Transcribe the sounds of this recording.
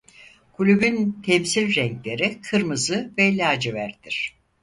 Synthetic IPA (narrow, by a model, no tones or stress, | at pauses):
kʰulʲybynt̪ʰɛmsilʲɾɛŋclʲe̞ɾikʰɯɾmɯzɯvɛilʲaːd͡ʒivæɾd̪iɾ̝̥